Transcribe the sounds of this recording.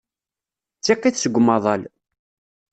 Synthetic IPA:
t͡sːiqːiθsəɡʷːmɑðˤɑl

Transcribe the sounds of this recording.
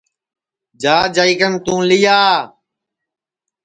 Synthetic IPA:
d͡ʒaːd͡ʒaiːkənt̪ũːlɪjaː

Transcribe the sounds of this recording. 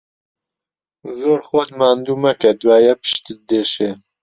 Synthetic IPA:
zoːɾxod̪maːnd̪uːmɛkɛd̪waːjɛpɨ̥ʃt̪ɨd̪eːʃeː

